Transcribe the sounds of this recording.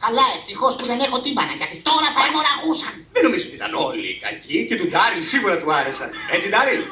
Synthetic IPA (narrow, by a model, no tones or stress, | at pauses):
kɐlɐeft̪ixo̞spuðe̞nexo̞t̪imbɐnɐʝɐt̪it̪o̞ɾɐθɐmo̞ɾɐɣusɐnðenːo̞mizoot̪it̪ɐno̞lḭkɐ̰cicet̪ud̪ɐɾilsiɣuɾɐt̪uɐɾesɐ̰net͡sid̪ɐɾil